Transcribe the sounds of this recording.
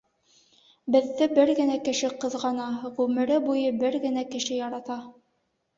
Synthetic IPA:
bɘ̆ðːɘbɘɾɡɘ̆nækɘ̆ʃɘqɤ̆ðʁɑnɑʁʉmɘ̆ɾɘbujɤbɘɾɡɘ̆nækɘ̆ʃɘjɑɾɑt̪ɑ

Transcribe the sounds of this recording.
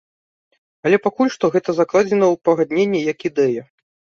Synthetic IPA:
ɐlʲɛpakulʲʂt̪ɔɣɛt̪ɐzaklˠad͡zʲɛnɐwpɐɣad̪nʲenʲːijɐkid̪ɛjɐ

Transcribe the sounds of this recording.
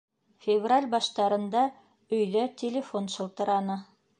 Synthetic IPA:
fʲɪvralʲbɑʃt̪ɑɾɤ̆nd̪ɑ | ɵ̆jðæt̪ʲelʲɪfonʃɤ̆lˠt̪ɤ̆ɾɑnɤ

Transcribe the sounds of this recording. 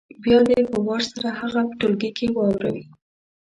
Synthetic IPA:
bjɑd̪ehawɑɾsaɾahaɣapə̥ʈolɡekʰewɑwɾa̰wi

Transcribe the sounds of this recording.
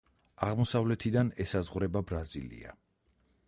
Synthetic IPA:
aʁmɔsavlɛt̪ʰid̪anɛsazʁɾɛbabɾazilḭa̰

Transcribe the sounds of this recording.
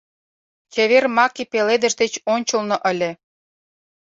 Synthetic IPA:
t͡ɕeβermɑkipeled̪ə̆ʒd̪et͡ɕonʲt͡ɕə̆lnoʔə̆lʲĕ

